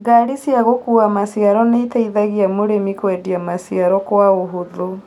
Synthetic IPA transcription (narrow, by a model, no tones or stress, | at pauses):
ɡaɾisjaɣokuːamasiaɾɔneitaiðaɣiamoɾemikwɛdiamasiaɾɔkwaoɦoðo